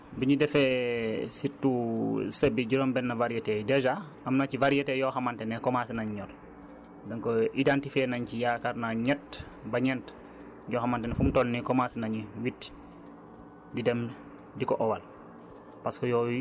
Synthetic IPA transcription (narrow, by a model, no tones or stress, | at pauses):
biɲidɛfɛsitːusebiɟiɾɔmbɛnːɐvaɾjetɛdɛʒa | ɐmnacivaɾijɛtɛjɔxamantɛnɛkɔmasinaɲɲɔl | dɔŋkoʔidantifɛnaɲcijakaɾnaɲɛt | bɐɲɛnt | jɔxamantɛnɛfumtɔlnikɔmasinaɲiwitː | didɛm | dikɔʔɔwal | paskɔjɔːwi